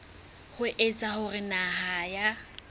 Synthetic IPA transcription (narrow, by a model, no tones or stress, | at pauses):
hʊʔet͡sʼahʊrɪnahaja